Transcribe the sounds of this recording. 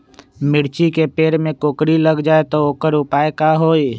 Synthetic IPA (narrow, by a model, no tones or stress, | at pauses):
mɪɽt͡ʃikepeːɾmẽkoːkɾiləɡd͡ʒaːet̪ooːkəɾʊpaːekaɦoːi